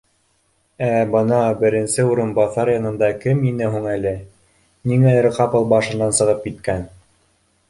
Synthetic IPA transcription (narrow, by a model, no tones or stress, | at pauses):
æbɤnɑbɘ̆ɾɘ̆nsɘuɾɤ̆nbɑθɑɾjɑnɤ̆nd̪ɑkɘminɘɦuŋælɘ | niŋæɘɾqɑpɤ̆lˠbɑʃɤ̆nːɑnsɤ̆ʁɤp̚kit̪kæn